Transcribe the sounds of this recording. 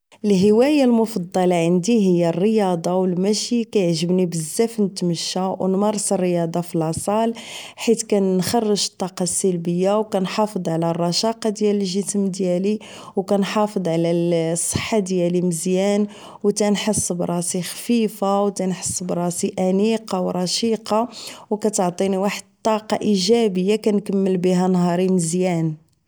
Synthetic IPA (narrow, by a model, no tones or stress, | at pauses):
əlɦəwæjalmʊfɑd̪ˤːɑlɑʕənd̪iɦəjːærːəjɑd̪ˤɑwəlmæʃikæjəʕʒəbnibəzːæfnət̪məʃːawnmɑɾˤːsərːəjɑd̪ˤɑfilɑsˤɑlħit̪kænːxɑrˤːəʒə̥t̪ˤːɑqɑsælbəjːawkænħɑfəd̪ˤʕlærˤːɑʃɑqɑd̪jæləlʒəsəmd̪jæli | wkænħɑfəd̪ˤʕlæsˤːə̥ħːad̪jæliməzjæn | wt̪ænħəsˤːbɾˤɑsixfifawt̪ænħə̥sˤːbɾˤɑsiʔæmiqɑwɾˤɑʃiqɑwkæt̪əʕt̪ˤiniwaħəd̪t̪ˤːɑqɑʔiʒæbəjːakænkəmːəlbiɦænɦɑɾiməzjæn